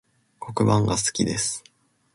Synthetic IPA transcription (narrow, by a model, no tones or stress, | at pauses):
ko̞kɯ̟bãŋɡasɨ̥kʲid̪e̞sɨ̥